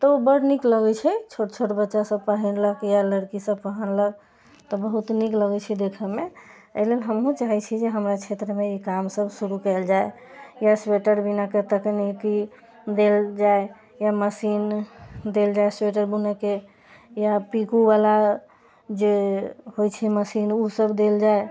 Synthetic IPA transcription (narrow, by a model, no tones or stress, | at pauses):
t̪ɔobəɽnikləɡɛt͡ʃʰɛt͡ʃʰoʈt͡ʃʰoʈbətːʃasəb̚pəɦɛnləkjaləɽkisəbpəɦənləɡ̚ | t̪ɔbəɦut̪nikləɡɛt͡ʃʰɛd̪ekʰəme | əlelɦəmɦũt͡ʃaɦɛt͡ʃʰid͡ʒeɦəmɾat͡ʃʰet̪ɾəmeikamsəbsuɾukɛld͡ʒae | jasweʈəɾbinaket̪əkniki | d̪eld͡ʒae | jaməsind̪eld͡ʒaesweʈ̬əɾbuneke | japikubala | d͡ʒeɦojt͡ʃʰɛməsinusəbd̪eld͡ʒae